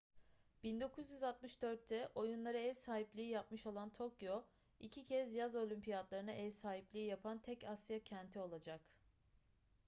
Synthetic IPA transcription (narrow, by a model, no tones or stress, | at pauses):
b̥ind̪o̞kʰuzjyzat̪̚mɯʃd̪øɾt̪ʰːɛʔo̞junlˠaɾɯɛvsaːɦiplʲiiːjapmɯʃo̞lˠant̪ʰo̞kʰjo̞ | icʰicʰɛzjazo̞lʲympʰijat̪lˠaɾɯnaʔɛvsaːɦiplʲiijapʰant̪ʰɛcasijacʰɛnt̪ʰio̞lˠad͡ʒak